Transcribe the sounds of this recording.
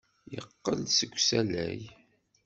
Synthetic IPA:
jəqːəlsəɡʷsælæj

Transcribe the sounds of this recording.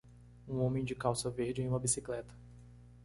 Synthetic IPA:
ũõmẽj̃d͡ʒɪkawsɐveɾd͡ʒɪej̃ũmɐbisiklɛt̪ɐ̥

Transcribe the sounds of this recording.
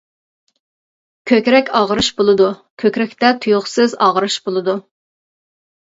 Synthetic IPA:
kʲʰøkʲɾɛkʲɑʁəɾɨʃbolˠɨd̪ukʲʰøkʲɾɛkʲt̪ɛt̪ʰujʊχsɪzɑʁɾɨʃbolˠɨd̪u

